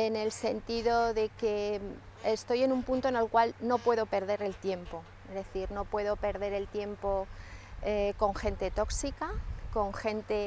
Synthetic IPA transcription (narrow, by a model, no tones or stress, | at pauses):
ene̞lse̞nt̪iðo̞ðe̞ke̞ | est̪o̞je̞numpunt̪o̞ene̞lkwalno̞pwe̞ðo̞pe̞ɾð̞e̞ɾe̞lt̪je̞mpo̞ | ezðe̞θiɾno̞pwe̞ðo̞pe̞ɾðe̞ɾe̞lt̪je̞mpo̞ | eko̞ŋxe̞nt̪e̞t̪o̞ksikako̞ŋxe̞nt̪e̞